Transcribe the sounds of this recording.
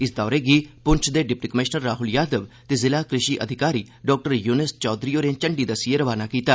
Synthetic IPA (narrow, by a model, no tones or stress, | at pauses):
ɪsd̪ɔːɾeːɡiːpʊɲt͡ʃʰd̪eːɖɪp̚ʈiːkəmɪʃnəɾːaːɦʊljaːd̪əʋt̪eːzɪlaːkɾɪʃiːʔə̰d̪ʱɪkaːɾiː | ɖɔːk̚ʈəɾjuːnɪst͡ʃɔːd̪ɾijoːɾẽːt͡ʃəɳɖiːd̪əsieɾəʋaːnaːkiːt̪aː